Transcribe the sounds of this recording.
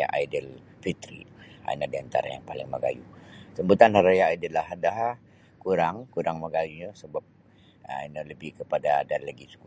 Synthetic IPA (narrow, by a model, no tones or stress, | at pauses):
a̰ʔajdəl | fit̪ɾḭa̰inadiant̪a̰ɾa̰ja̰ŋpalɪŋməɡa̰jusəmbut̪anhaɾajaajdəlaɦadaɦa | kuɾaŋkuɾaŋməɡajuɲəsəbap̚ | a̰nələbikəpadadallaɡit͡ʃu̥ku